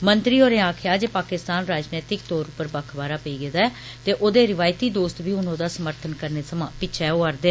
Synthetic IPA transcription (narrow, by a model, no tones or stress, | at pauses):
mənt̪ɾiːoːɾẽːaːkʰjaːd͡ʒeːpaːkɪst̪aːnɾaːd͡ʒnɛːt̪ɪk̚t̪ɔːɾʊpəɾbəkʰbaːɾaːpəiːɡed̪aːɛː | t̪eːʔoːd̪eːɾɪʋaːjt̪iːd̪oːst̪biːʊnõːd̪aːsəməɾt̪ʰənkəɾneːsəmãːpɪʃʰɛːoːəɾd̪eː